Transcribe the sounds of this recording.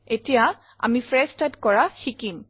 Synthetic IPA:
etija | a̰mifɹɛstadkɔɹaxikim

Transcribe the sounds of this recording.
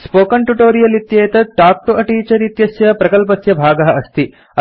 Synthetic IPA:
spoːkɐɳʈuʈoːɾijɐlit̪jɐːjɐt̪ɐʈaːk̚ʈoʔɐʈiːt͡ʃɐɾit̪jɐsjɐpɾɐkɐlp̬ɐsjɐbʱaːɡɐɦɐʔɐst̪i | ɐ

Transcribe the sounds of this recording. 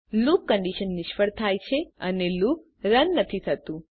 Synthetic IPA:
lukːəɳɖiʃənːɪʃfəɽt̪ʰajt͡ʃʰeəneluk̚ | ɾənːət̪ʰisʰət̪ũ

